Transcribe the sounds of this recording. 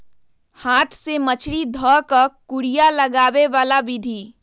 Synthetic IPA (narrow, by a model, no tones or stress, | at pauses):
haːt̪ʰsemət͡ʃʰɾid̪ʱɔkəkuɽijaləɡaːʋeʋaːlabɪd̪ʱi